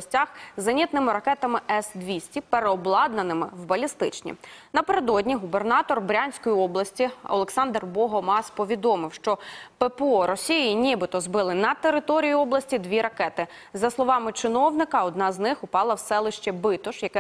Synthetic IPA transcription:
sʲtʲaxzɐnʲit̪nɪmɪɾɐkɛt̪ɐmɪɛsd̪ʋʲisʲtʲipeɾeɔblˠɑd̪nɐnɪmɪwbɐlʲist̪ɪ̰t͡ʃnʲḭnɐpeɾed̪ɔdʲnʲiɦubernɑt̪ɔrbɾʲanʲsʲkɔjiɔblˠɐsʲtʲiɔ̰lˠeksɑnd̪rbɔɦɔmɑspɔʋʲid̪ɔmɪwʃt͡ʃɔpɛpeɔɾɔsʲijiinʲibɪt̪ɔzbɪlˠɪnɐt̪eɾɪt̪ɔɾʲijiɔblˠɐsʲtʲid̪ʋʲiɾɐkɛt̪ɪ | zɐslˠɔʋɑmɪt͡ʃɪnɔwnɪkɐɔd̪nɑznɪxʊpɑlˠɐwsɛlˠɪʃt͡ʃɛbɪt̪ɔʃjɐkɛ

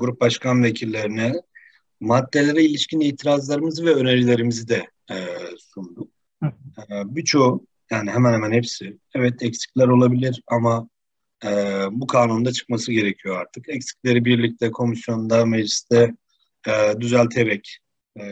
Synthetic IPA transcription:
ɡuɾup̚baʃkʰanvecʰilʲːeɾinɛ | mad̪ːe̞lʲe̞ɾɛilʲiʃcʰiniːt̪ʰiɾazlˠaɾɯmɯzɯvɛøneɾilʲe̞ɾimizid̪ɛ | sund̪ukː | bit͡ʃʰo̞u | jaːniɦɛmænhɛmænhɛpsɪ | ɛvɛt̪ʰɛcsi̥clʲæɾo̞lˠabilʲiɾama | ɯbukʰaːnund̪at͡ʃʰɯ̥kmasɯɟe̞ɾecʰijo̞aɾt̪ʰɯkɛcsi̥clʲe̞ɾibiɾlʲic̚t̪ʰɛkʰo̞misjo̞nnd̪ameʒlʲist̪ʰɛ | d̪yzælʲt̪ʰe̞vɛcː

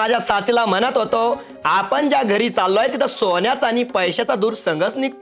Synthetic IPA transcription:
ad͡ʑʱasat̪ilam̤ənat̪ɦot̪o | apəɳd͡ʑjaɡʱəɾiːt͡salːojet̪̬it̪ʰəsonjat͡sañipəjɕat͡sad̪uːɾsəŋɡəsnik

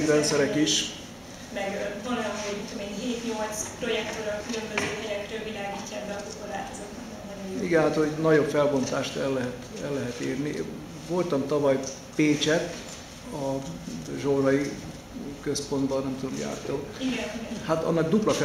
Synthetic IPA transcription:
kɾɛnt̪sɛɾɛkiʃ | mɛɡvɒnɒmout̪ːomenɦeːt̪ɲo̞lt̪spro̞jɛk̚t̪oɾɒkylø̞mbøzøːɦɛɾɛkrøːlvilaːɡiːcːaɛbːɛɒzokoɾa̰ːzot̪ɔnɛnd̪ɛniɡɛnɦat̪hoɟnɒɟo̞pfɛlbo̞nt̪aːʃt̪ɛlːɛɦɛt̪ɛlːɛɦɛt̪eːrni | vo̞lt̪ɒmt̪ɒvɒj | peːt͡ʃɛt̪ | ɒ | ʒoɾɒi | køspo̞nd̪bɒnnɛmt̪ud̪omja̰ːrt̪oːiɡɛnihat̪ɒ̰nːɒɡd̪uplɒk

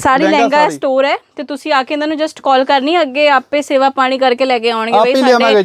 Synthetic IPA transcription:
saːɾiːlɛ̃ːŋɡaɛːsʈoːɾɛːt̪eːt̪ʊsĩːaːkeɪ̃nd̪aːnũːd͡ʒəsʈkɔːlkəɾniːəɡeːaːpẽːseːʋaːpaːɽ̃iːkəɾkeːlɛːk̬eːaːʊɳɡeəiːaɡ

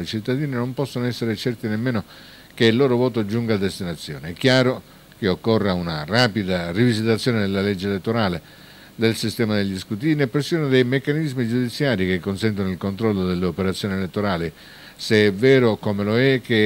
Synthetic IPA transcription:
jt͡ʃit̪ːad̪iːninompɔsːonoɛsːeɾet͡ʃɛrt̪inemːeːno | keilːoːɾovoːt̪od͡ʒuŋɡaːd̪ːest̪inat̪sːjo̰ːneɛkːjaːɾo | k̟eokːorːeunaraːpid̪arivizit̪at̪sːjoːned̪elːaled͡ʒːelet̪ːoɾaːle | d̪elsist̪ɛːmad̪eʎːiskut̪iːnepːɾesːionod̪ejmekːanizmid͡ʒud̪it̪sːjaːɾikekːonsɛnt̪̬onoilkont̪ɾɔlːod̪elːeopeɾat̪sːjoːnielet̪ːoɾaːli | seɛvɛːɾokomeloɛkːe

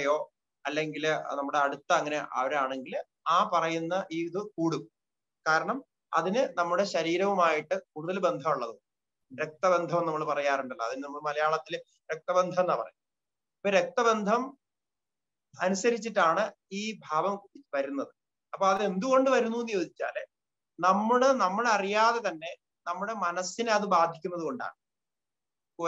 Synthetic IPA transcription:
joː | ɐlːe̞ŋɡilnɐmːuɽe̞ɐɽut̪ːɐːŋːɐne̞ʔɐ̰ʋɐɾaːɳe̞ŋɡil | aːpɐrɐjunːɐʔiːðɨkuːɽu | kaːɾɐɳɐm | ɐ̰ðinɨnɐmːuɽe̞ɕɐɾiːɾɐʋumaːjiʈːɨkuːɽuðɐlbe̞nd̪ʱɐmuɭːɐðɨ | ɾek̚t̪ɐbe̞nd̪ʱɐmnɐmːɐɭpɐrɐjaːruɳɖɐlːɐːðinɨnɐmːɐɭmɐlɐjaːɭɐt̪ːil | ɾek̚t̪ɐbend̪ʱɐmnːaːpɐ̰rɐ̰ju | ɐpːoɾe̞k̚t̪ɐbe̞nd̪ʱɐm | ɐnusɐɾit͡ɕːiʈːaːɳɨ | iːbʱaːʋɐmʋɐɾunːɐðɨ | ɐpːoːɐðɨe̞nd̪uɣo̞ɳɖɨʋɐɾunːuenːɨjo̞ːd̪it͡ɕːa̰ːl | nɐmːɐɭɨnɐmːɐɭeɐrijaːðe̞t̪ɐnːe̞ | nɐmːuɽe̞mɐnɐsːinɨɐðɨbaːd̪ʱikʲːunːɐðuko̞ɳɖa̰ːɳɨ | ko

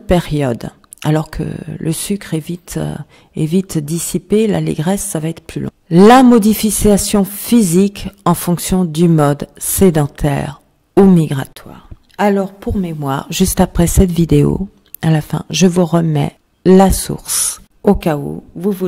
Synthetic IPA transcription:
peʁjɔd̪ | alɔʁkʰə̰lʔəsykχɛvit̪ | ɛvit̪d̪isipela̰lḛɡʁɛsːavaɛt̪χplylɔ̰̃lamɔd̪ifiasjɔ̃fizikɑ̃fɔ̃ksjɔ̃d̪ymɔd̪sed̪ɑ̃t̪ʰɛ̰ʁ | umiɡʁat̪ʰwa̰ːʁ | alɔʁpuʁmemwa̰ːʁʒyst̪apχɛsɛt̪vid̪eo̰ | alafɛ̰̃ʒəvuʁəmɛ̰ | lasṵʁs | okao̰vuvu

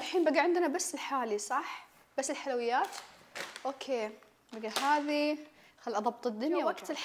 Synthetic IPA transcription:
lħiːnbaɡaʕɪnd̪nabasːɪlħaːlisˤɑħ | b̥asːɪlħalawɪjːaːt̪ʔoːkʰeː | baɡahɦaːði | xalːiʔɑðˤɑbt̪ˤɪd̪ːʊnjawaɡt̪ɪlħ

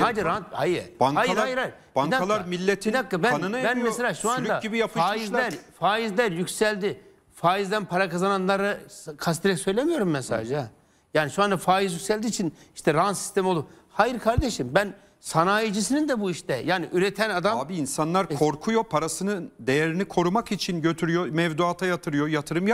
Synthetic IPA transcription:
haːd͡ʒiɾanhajɯɾbaŋkhajɾˠajiɾhajɾ | b̥aŋaalˠaɾmilʲːet̪ʰinakːabænanɯnajbænmmɛselʲaːʃuand̪aɟibijapʰɯaʃːmɯizlæɾfaːjizlʲæɾjycsælʲd̪i | faːjizd̪ænpʰaɾakazananlˠaɾɯkʰast̪iɾɛcsø̞jlʲemijo̞ɾumːɛsa̰d͡ʒa | jaːniʃuand̪afaːjizjycʲsælʲd̪iːt͡ʃʰini̥ʃt̪ʰɛɾaansi̥st̪e̞miolˠum | hajiɾkʰaɾd̪eʃimbæn | sanaːjid͡ʒis̬inind̪ɛbuiʃt̪ʰɛjaːniʔyɾet̪ʰænad̪amabiinsanlˠaɾkʰo̞ɾkʰujo̞pʰaɾasɯnɯnd̪e̞jeɾinikʰo̞ɾumakit͡ʃʰinɟø̞t̪ʰyɾyjomɛvd̪uat̪ʰajat̪ʰɯɾɯjojat̪ʰɯɾɯmja

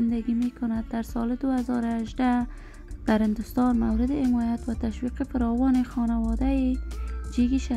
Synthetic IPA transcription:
ɪnd̪aɡimekʊnad̪̚ːaɾsɑlɪd̪ʊazɔɾʊaʒd̪a | d̪̥aɾhɪnd̪ʊst̪ɔnmawɾɪd̪ɪɪmɔjat̪wat̪aʃwiqɪfɪɾɔwɔnɪxɔnawɔd̪ajɪd͡ʒeɡiʃa

